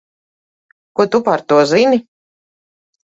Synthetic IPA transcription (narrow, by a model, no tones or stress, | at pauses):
kuɔt̪upaɾt̪uɔzini